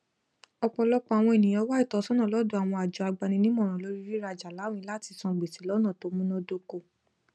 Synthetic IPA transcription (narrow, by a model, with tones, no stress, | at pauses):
ɔ˧k͡pɔ˧lɔ˦k͡pɔ˧˦a˨w̃ɔ̃˧e˨nĩ˨j̃ɔ̃˧˦wa˦i˦˨tɔ˨˧˦sɔ̃˦nã˦˨lɔ˦do˦a˨w̃ɔ̃˧a˨d͡ʒɔ˨a˧ɡ͡ba˧nĩ˧nĩ˦mɔ̃˦˨ɾ̃ɔ̃˨lo˦ɾi˦ɾi˦ɾa˧d͡ʒa˨la˨˦w̃ĩ˧˦la˦˨ti˧sɔ̃˧ɡ͡be˨si˨˦lɔ˦nã˦˨to˨˧˦mũ˦nɔ̃˦do˧ko˦˨